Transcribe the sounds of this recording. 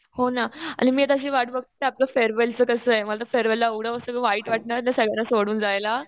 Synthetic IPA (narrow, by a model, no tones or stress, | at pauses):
honaa̰ñimiːet̪aɕ̬iːʋaʈbəɡ̚t̪ət̪eaplafeɾʋelt͡səːkəsəːeməlat̪̬əfeɾʋelːaəɡɽəəsəkəʋaɦiːʈʋaʈ̚ɳaɾnasəɡɭanːasoɽuːnd͡zajla